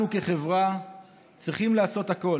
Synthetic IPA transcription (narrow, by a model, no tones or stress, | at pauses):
uke̞χe̞vʁa | t͡sʁiχimlaːso̞t̪hako̞